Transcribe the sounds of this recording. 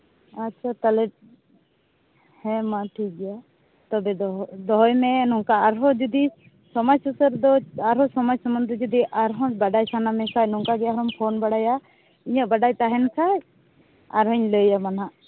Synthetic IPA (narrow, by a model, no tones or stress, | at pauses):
atːt͡ʃʰat̪alɛʈ̚ | hɛ̃maʈʰikɡɛja | t̪ɔbɛd̪ɔd̪ɔɦɔjmɛnɔŋkaːɾɦɔd͡ʒɔd̪i | sɔmɔjsusəɾd̪ɔaɾɦɔsɔmɔjsɔmɔnd̪ɾɔd͡ʒɔd̪iʔaɾɦɔ̃baɖajsanamɛsajnɔŋkaɡɛaɦɾɔmpʰonbaɽaja | iɲəʔbaɖajt̪aɦɛnsaj | a̰ɾɦɔɲləjamanaʔ